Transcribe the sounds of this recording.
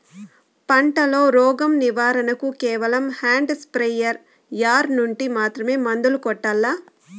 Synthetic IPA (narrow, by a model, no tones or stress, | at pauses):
pɐɳʈɐlo̞ːɾɔːɡɐmniʋaːɾɐnɐkukɛːʋɐlɐmhaːɳɖspɾejɐɾ | jaːɾnuɳʈimaːt̪ɾɐmeːmɐnd̪ulukɔʈːalːaː